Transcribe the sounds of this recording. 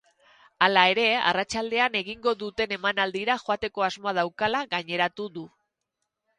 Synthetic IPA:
alae̞ɾe̞a̰rat͡ʃald̪e̞ane̞ɣ̞iŋɡo̞ðut̪e̞ne̞manald̪iɾaʝo̞at̪e̞ko̞azmoað̞awkalaɣaɲe̞ɾat̪uðu

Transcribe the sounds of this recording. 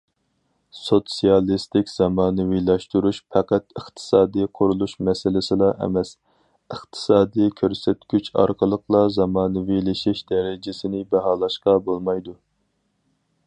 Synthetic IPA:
sot̪sijɑlˠist̪ɪkʲz̥ɑmɑːnɨwilˠɑʃt̪uɾuʃpʰɛqæt̪əχt̪ʰɨ̥sɑːd̪ijqʰʊɾulˠuʃmɛsɪlɪsɪlˠɑʔɛ̰mɛs | əχt̪ʰɨ̥sɑːd̪ijkʲʰøɾsɛt̪ɡʲyt͡ʃʰɑ̰ɾqʰəlˠəqʰlˠɑzɑmɑːnɨwilɪʃɪʃd̪ɛɾɪd͡ʒɪsɪnɪbɛɦɑːlˠɑʃqɑbolˠmɑjd̪u

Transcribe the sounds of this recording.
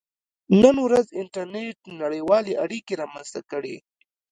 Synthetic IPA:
nənwɾazɪɳʈaɾneʈ̚naɽəjwɑleʔaɽikeɾɑmanz̥t̪akəɽḛ

